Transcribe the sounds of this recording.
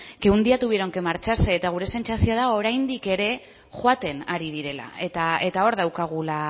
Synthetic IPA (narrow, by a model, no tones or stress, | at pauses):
keund̪iat̪uβiɾo̞ŋkemaɾt͡ʃaseːt̪aɣ̞uɾe̞se̞nsasio̞aðao̞ɾajnd̪ike̞ɾe̞ | ʝwat̪e̞naɾið̞iɾe̞la̰et̪ae̞t̪ao̞ɾðawkaɣ̞ula